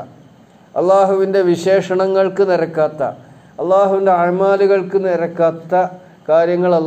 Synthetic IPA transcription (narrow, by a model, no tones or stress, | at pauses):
ɐ̰lːaːɦuʋinde̞ʋiɕe̞ːʂɐɳɐŋːɐɭkɨniɾɐkːaːt̪ːɐ̰ | ɐlːaːɦuʋinde̞aɻmaːluɣɐɭkɨniɾɐkːaːt̪ːɐ | kaːɾjɐŋːɐɭɐlː